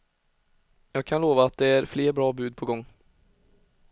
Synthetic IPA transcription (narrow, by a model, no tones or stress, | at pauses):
jɑːɡ̚kʰanloːvaːt̪̚d̪ɛæɾfleːɾbɾɑːbʉ̟ːd̪̚pʰɔɡɔŋː